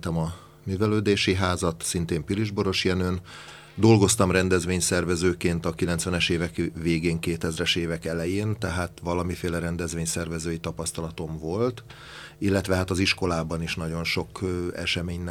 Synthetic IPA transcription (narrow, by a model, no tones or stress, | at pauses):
t̪ɛmɒ | myːvɛløːd̪eːʃiɦaːzɒt̪sint̪eːmpiliʒboɾo̞ʃjɛnøːn | d̪o̞lɡo̞st̪ɒmrɛnd̪ɛzʋeːɲsɛrvɛzøːkeːnt̪ɒkilɛnt̪sʋɛnɛʃeːvɛkveːɡeːŋkeːt̪ɛzrɛʃeːvɛkɛlɛjeːnt̪ɛɦaːt̪ʋɒlɒmifeːlɛɾɛnd̪ɛzʋeːɲsɛrvɛzøːjit̪ɒpɒst̪ɒlɒt̪o̞ɱvo̞lt̪ | ilːɛt̪ʋɛɦat̪ɒziʃko̞laːbɒniʃnɒɟo̞nʃo̞kɛ̰ʃɛmeːɲn